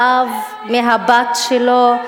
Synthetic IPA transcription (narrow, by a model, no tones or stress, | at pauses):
av | meɦabatʃelo